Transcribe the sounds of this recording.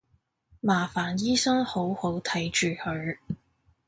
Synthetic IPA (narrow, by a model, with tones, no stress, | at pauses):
maː˨˩faː˨˩njiː˥sɐ˥ŋho˨˥who˨˥wt̪ʰɐ˨˥jt͡ʃyː˨hɵ˨˧˥